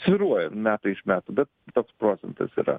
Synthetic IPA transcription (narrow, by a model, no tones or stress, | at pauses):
sʲʋʲɪɾuɔjɛmmʲæːt̪ɐɪʃmʲæːt̪uːbʲɛt̪̚t̪oːkspɾoːt̪sʲɛnt̪ɐ̰sḭːɾɐ̰